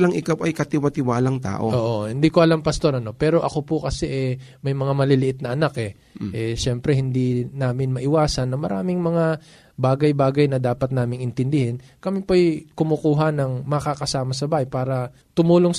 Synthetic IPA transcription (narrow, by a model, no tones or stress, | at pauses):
lɐŋʔɪkawʔɐjkɐt̪ɪwɐt̪ɪwaːlɐŋt̪a̰ːʔo̰ʔoːʔohɪnd̪ikoʔɐlampɐst̪o̞ɾɐno̞pɛːɾo̞ʔɐko̞pʊkɐsɛʔɛ | mɐjmɐŋamɐlɪlɪʔɪt̪̚nɐʔɐnakʔɛ | ʔɛʃɛmpɾɛhɪnd̪inaːmɪnmɐʔɪwaːsɐnːɐŋmɐɾa̰ːmɪŋmɐŋa | baːɡɐjbaːɡɐjnɐd̪aːpɐt̪̚naːmɪŋɪnt̪ɪnd̪ɪhɪn | kɐmipɐʔjkʊmokuːɦɐnɐŋmɐkakɐsaːmɐsɐbaːhɐjpaːɾɐ | t̪ʊmuːloŋ